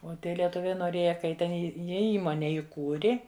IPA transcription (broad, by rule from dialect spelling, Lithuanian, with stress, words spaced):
oː ˈtʲiɛ lʲiɛˈtʊʋʲɛɪ noːˈrʲeːjɛ kɐ ˈjɪ tʲɛn ˈjɪ ˈjiɛ ˈiːmoːnʲɛ ɪˈkuːrʲɪ